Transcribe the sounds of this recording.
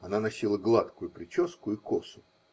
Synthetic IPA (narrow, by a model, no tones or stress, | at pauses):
ɐnanɐsʲilˠəɡlˠat̪kʊjʊpɾʲɪt͡ɕo̞skʊɪkosʊ̥